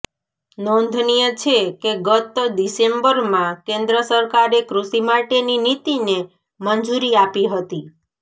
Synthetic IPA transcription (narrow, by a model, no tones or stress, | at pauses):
nɔnd̪ʱnijət͡ʃʰekeɡət̪d̪isembəɾmãkẽnd̪ɾəsəɾkaɾekɾusimaʈeninit̪ine | mənd͡ʒuɾiapiɦət̪i